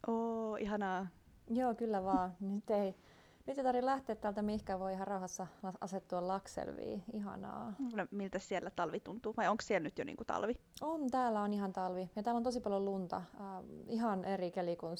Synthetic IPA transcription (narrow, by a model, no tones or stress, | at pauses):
ʔoːʔihɑnɑː | joːkylːæʋɑːnyt̪ːei | nyt̪ːˑeit̪ɑrʋilæht̪eːt̪t̪ːæːlt̪æmihkæːʋʋoiihɑrrɑuhɑsːɑlɑʔɑset̪ːuɑllɑksḛlʋḭːiɦɑ̰nɑ̰ːkulnmilt̪æssielːæt̪ɑlʋit̪unt̪uːʋɑjoŋkssielnyt̪jo̰nḭːŋkut̪ɑ̰lʋiont̪æːlːæonihɑnt̪ɑlʋijɑt̪æːlont̪osipɑljolunt̪ɑ̰ | iɦɑnʔerikelikun